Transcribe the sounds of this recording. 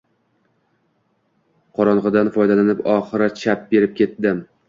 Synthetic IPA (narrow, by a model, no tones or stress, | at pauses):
qʰɒɾɒnʁɨd̪anfɒjd̪alanɪpɒχɨɾat͡ʃʰap̚be̞ɾɪp̚kʲʰe̞t̪̚d̪ɪm